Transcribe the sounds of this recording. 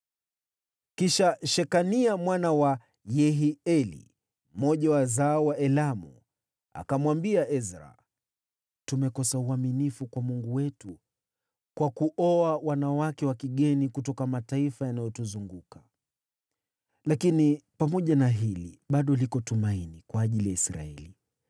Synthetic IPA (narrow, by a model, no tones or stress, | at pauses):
kiʃaʃɛkaniamwanawa | jɛɦiɛlḭ | m̩mɔʄawazaɔwaʔɛlamṵ | a̰kamwambiaʔɛzɾa̰ | tumɛkɔsauaminifukwamuŋɡuwɛtu | kwakuʔɔawanawakɛwakiɠɛnikutɔkamataifajanajɔtuzuŋɡuka | lakinipamɔʄanaɦilḭɓaɗɔlikɔtumainikwaːʄilijaisɾa̰ɛli